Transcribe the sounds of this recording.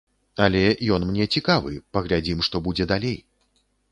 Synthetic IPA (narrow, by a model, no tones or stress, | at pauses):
ɐlʲɛjɔnmnʲɛt͡sʲikavɨpɐɣlʲad͡zʲimʂt̪ɔbud͡zʲɛd̪alʲej